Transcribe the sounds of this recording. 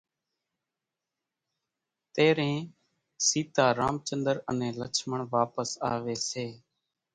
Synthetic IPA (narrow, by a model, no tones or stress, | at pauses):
t̪eːɾẽː | siːt̪aːɾaːmt͡ʃənd̪əɾənẽːlət͡ʃʰməɳʋaːpəsaːʋeːseː